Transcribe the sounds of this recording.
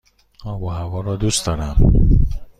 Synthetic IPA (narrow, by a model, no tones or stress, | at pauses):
ɒːboɦævɒːɾɒːd̪uːst̪d̪ɒːɾæm